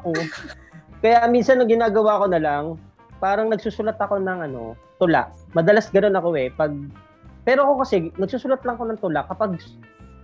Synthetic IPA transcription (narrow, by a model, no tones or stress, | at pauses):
ʔo | kɐjaminsɐnːɐŋɡɪnaːɡɐwaːko̞nɐlaŋ | paːɾɐŋnɐɡsuːsʊlat̪ɐko̞nɐŋʔɐno̞̰t̪ʊla̰ʔmɐd̪ɐlasɡɐno̞nɐko̞ʔɛpɐɡ̚ | pɛːɾoɐko̞kɐsɛnɐɡ̚suːsʊlat̪̚lɐŋko̞nɐŋt̪ʊlaʔkɐpaɡ̚